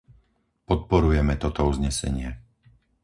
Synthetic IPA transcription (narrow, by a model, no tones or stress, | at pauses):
pɔt̪̚pɔɾujɛmɛt̪ɔt̪ɔuzɲɛsɛ̰ɲɪɛ